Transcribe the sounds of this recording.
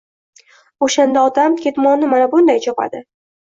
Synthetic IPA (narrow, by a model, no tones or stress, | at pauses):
oʃand̪aɒt̪amkʲʰe̞t̪mɒnɪmanabʊnd̪ajt͡ʃʰɒpa̰d̪ɪ